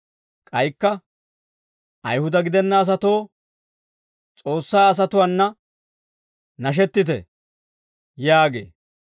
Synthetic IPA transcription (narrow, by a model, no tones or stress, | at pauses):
kʼɐjkːɐ | ʔɐjhʊd̪ɐɡɪd̪ɛnːɐːs̬ɐt̪o̞ː | t͡sʼo̞ːsːaːɐs̬ɐt̪ʊwɐnːɐ | nɐʃ̬ɛt̪ːɪt̪ɛ̰ | jaːɡḛː